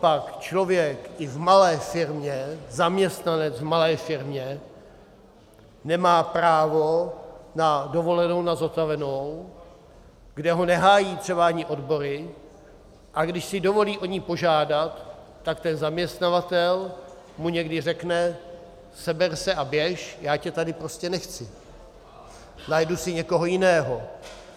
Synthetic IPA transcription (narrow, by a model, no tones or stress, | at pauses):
pakt͡ʃlo̞vjɛkʔɪvmalɛːfɪɾmɲɛzamɲɛst̪nanɛt͡svmalɛːfɪɾmɲɛ | nɛmaːpɾaːvo̞nado̞vo̞lɛno̞wnazat̪avɛno̞w | ɡdɛɦo̞nɛɦaːjiːt̪r̝̥ɛbaʔaɲɪʔo̞dbo̞ɾɪ | ʔaɡdɪʃsɪdo̞vo̞liːʔo̞ɲipo̞ʒaːdat̪ː | akt̪ɛnzamɲɛst̪navat̪ɛl | muɲɛɡdɪr̝ɛknɛ | sɛbɛɾsɛʔabjɛʃjaːcɛt̪adɪpɾo̞scɛnɛxt͡sɪ | najdusɪɲɛkoɦo̞jɪnɛːɦo̞